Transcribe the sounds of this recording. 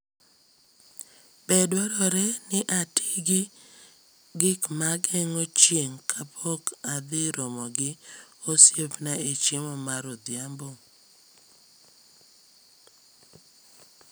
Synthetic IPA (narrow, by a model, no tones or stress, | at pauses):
bedwaɾɔɾɛnɪʔatʰiɡɪ | ɡɪkmaɡɛŋot͡ʃjeŋkʰapʰɔkad̪ɪɾɔmɔɡɪ | osjepnaet͡ʃɪmɔmaɾod̪jambo